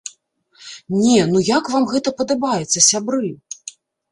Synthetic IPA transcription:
nʲɛnujakvamɣɛt̪ɐpɐd̪abajɛt̪sːɐsʲabɾɨ

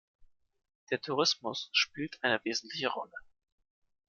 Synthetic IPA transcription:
d̥eːɐtʰuʁ̞ɪsmʊsʃpiːltʔaɪnəveːzn̩tʰlɪçəʁɔlə

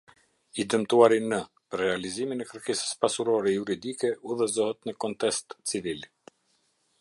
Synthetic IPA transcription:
id̪əmt̪uaɾinə | pəɾːɛaliziminɛkəɾkɛsə̥spasuɾɔɾɛjuɾid̪ikɛuðɛzɔhət̪nəkɔnt̪ɛst̪t͡sivil

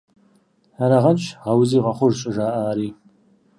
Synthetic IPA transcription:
aɾaʁɐnt͡ʃʰʁɐwziːʁɐχʷʊʒɕʼɪʒaːʔaːɾiː

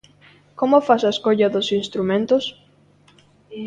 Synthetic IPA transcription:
komʊfasaeskoʎɐðʊsinst̪ɾumẽnt̪ʊs

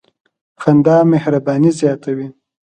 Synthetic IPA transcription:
xand̪ɑːmehɾabɑnizjɑt̪awi

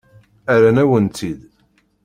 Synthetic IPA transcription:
æɾænæwənt̪ið

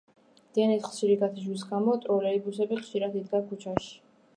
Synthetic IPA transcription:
d̪̥ianisχʃiɾiɡat̪ʰiʃwis̬ɡamɔt̪ʼɾɔlɛibusɛbiχʃiɾad̪id̪ɡakʰut͡ʃʰaʃi̥

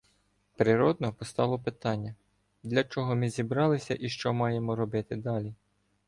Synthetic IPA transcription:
pɾɪɾɔd̪nɔpɔst̪ɑlˠɔpɪt̪ɑnʲːɐ | d̪lʲɐt͡ʃɔɦɔmɪzʲibɾɑlˠɪsʲɐʔiʃt͡ʃɔmɑjemɔɾɔbɪt̪ɪd̪ɑlʲi

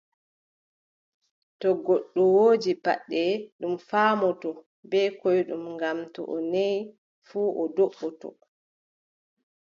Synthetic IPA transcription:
tɔɡoɗːɔwoːd͡ʒipa̰ɗːɛɗumfaːmɔtɔ | bɛkɔjɗumŋɡamtɔ̰ʔɔnej | fuːʔɔdoɓːɔtɔ̰

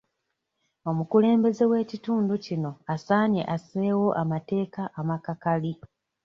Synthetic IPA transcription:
o̞mukule̞ːmbe̞ze̞we̞ːcituːnducino̞asaːɲe̞̰ʔaseːwo̞ʔamate̞ːkaʔːmakakali

